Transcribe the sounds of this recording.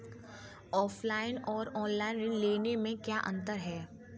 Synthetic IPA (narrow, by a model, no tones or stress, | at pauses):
ɔːfʰlaːɪnɔːɾɔːnlaːɪnɾɪnleːnemẽkjaːʔɐ̰̃nt̪əɾɦɛː